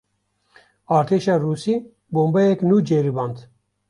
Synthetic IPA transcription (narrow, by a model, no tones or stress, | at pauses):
ɑːɾt̪ʰeːʃɑːruːsiː | boːmbɐjɛknuːd͡ʒeɾibɑːnd̪